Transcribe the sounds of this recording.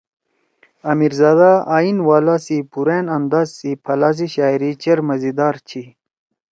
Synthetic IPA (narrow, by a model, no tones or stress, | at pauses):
ɐmiɾzaːd̪aaːinwaːlaːsipuɾeːnɐnd̪aːzsipʰɐlaːs̬iɕaːiɾit͡ɕɐɾmɐzid̪aːɾt͡ɕʰi